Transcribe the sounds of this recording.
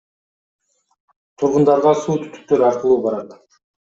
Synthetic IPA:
t̪ʰuɾʁʊnd̪ɑɾʁɑsuːt̪ʰy̥t̪y̥k̚t̪øɾɑqəlˠuːbɑɾɑt̪

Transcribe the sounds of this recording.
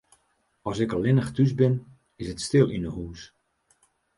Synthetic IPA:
ɔsɪkəlɪnəxtys̬bɪn | ɪsətstɪlˠinəhuːs

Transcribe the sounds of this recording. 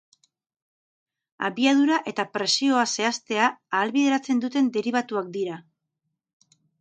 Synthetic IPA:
a̰βiað̞uɾaʔe̞t̪apɾe̞sio̞ase̞ast̪e̞aːlβiðe̞ɾat͡se̞nd̪ut̪e̞nd̪e̞ɾiβ̞at̪uak̚d̪iɾa

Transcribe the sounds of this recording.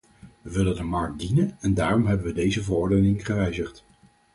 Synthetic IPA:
ʋəʋɪləndəmɑɹk̚dinənɛndaːrɔmɦɛbənʋədejzəvərɔɹdənɪŋχəʋɛjzəχt

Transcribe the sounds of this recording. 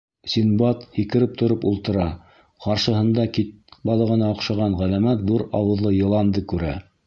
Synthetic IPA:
sʲinbɑt̪hikɘ̆ɾɘp̚t̪ŏɾopulˠt̪ɤ̆ɾɑ | qɑɾʃɤ̆ɦɤ̆nd̪ɑkit̪̚bɑlˠɤ̆ʁɤ̆nɑoqʃɑʁɑnʁælæmæt̪ðuɾɑwɤ̆ðlˠɤjɤ̆lˠɑnd̪ɤkʉɾæ̰

